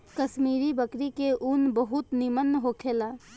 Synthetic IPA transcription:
kəʃmiːɾibəkɾikeʔʊnbəɦʊt̪nɪmənːɦokʰeːlaː

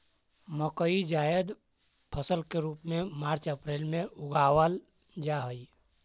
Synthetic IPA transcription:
məkəid͡ʒaːjəd̪ | pʰəsəlkeɾuːpmẽmaːɾt͡ʃəpɾeːlmẽʊɡaːwəl | d͡ʒaɦəi

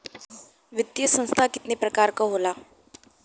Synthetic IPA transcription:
ʋɪt̪jəsə̃ñst̪ʰakɪ̥t̪nepɾəkaːɾkaɦoːlaː

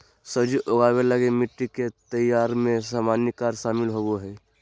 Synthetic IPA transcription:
səbd͡ʒiʔoɡaweləɡemiʈːiket̪əjaːɾmẽsamanikaːɾsaːmɪlɦowoɦɛ

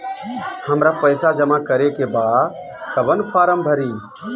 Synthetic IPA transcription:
həmɾapəjsad͡ʒəmakəɾekebad̪ | kəbənpʰaɾəmbʱəɾi

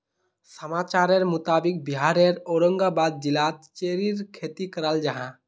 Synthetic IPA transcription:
səmaːt͡ʃaːɾeɾmʊt̪aːbik̚biɦaɾeɾoːɾəŋɡabad̪̚d͡ʒilat̪t͡ʃeɾiɾkʰeːt̪ikəɾald͡ʒəɦã

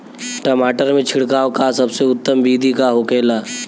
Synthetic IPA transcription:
ʈəmaːʈəɾmẽt͡ʃʰɪɽkaːʋkasɐbseʊt̪ːəmbiːd̪ʱikaɦokeːlaː

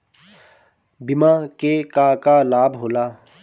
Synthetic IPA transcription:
bɪmaːkekaːkalaːbɦoːlaː

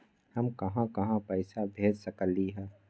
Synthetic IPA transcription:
hɐmkɐɦãkɐɦãpɛɪsabʱeːd͡ʒsɐkəliɦɛː

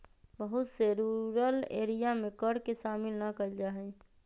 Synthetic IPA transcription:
bəɦʊt̪seɾuɾəlḛːɾijamẽkəɽkeʃaːmɪlnəkəld͡ʒaːɦɛ

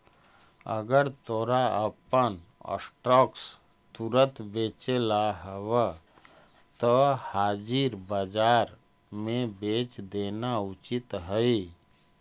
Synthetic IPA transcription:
ə̰ɡəɾt̪oːɾaəpənə̰sʈɾɔːks | t̪uɾət̪beːt͡ʃelaɦəwə | t̪ɔhaːd͡ʒiɾbəd͡ʒaːɾ | mẽbeːt͡ʃd̪eːnaʊt͡ʃɪt̪ɦəi

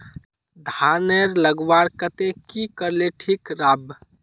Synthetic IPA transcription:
d̪ʱanəɾləɡʋaɾkət̪ekikəɾleʈʰikɾab

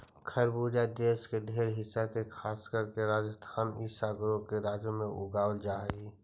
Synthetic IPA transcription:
kʰəɾbuːd͡ʒad̪eːskeɖʱeːɾɦɪsːakekʰaːskəɾkeɾaːd͡ʒəst̪ʰamisaːɡɾõkeɾaːd͡ʒõmẽʔʊ̰ɡaːwəld͡ʒaːi

